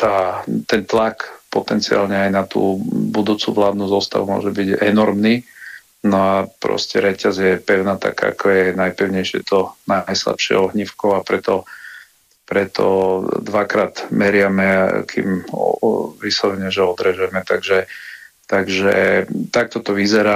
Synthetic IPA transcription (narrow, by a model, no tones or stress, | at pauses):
t̪aːt̪ɛnt̪lakpɔt̪ɛnt͡sia̰ːlɲɛajnat̪ṵːbud̪uːt͡suʋlaːd̪nuzɔst̪a̰ʋumʊɔ̰ʒɛbiɟɛ̰nɔɾmniː | nɔapɾɔ̰scɛɾɛcazɪjɛpɛʊnaːt̪a̰kaakʰɔjɛnajpɛʊɲɛjʃɪɛ̰t̪ɔnajsla̰pʃɪɛ̰ɔɦɲifkɔʊapɾɛt̪ɔ | pɾɛt̪ʰɔ̰d̪ʋakɾaːd̪mɛɾɪamɛa̰kʰḭm | ʋisɔʋɛɲɛʒɛɔd̪ɾɛʒɛmɛt̪aɡʒɛ | t̪aɡʒɛ̰t̪ak̚t̪ɔt̪ɔʋizɛɾaː